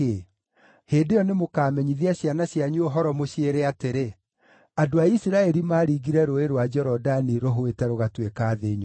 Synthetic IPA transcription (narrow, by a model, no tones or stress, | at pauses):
heːdeɔnemokaːmɛɲiðiaɕjanaɕjaɲuoɦɔɾɔmoɕieɾeateɾe | adoaisiɾaɛɾimaːɾiɣiɾɛɾoeɾwad͡ʒɛɾɔdaniɾoɦoetɛɾoɣatwekaːðeːɲ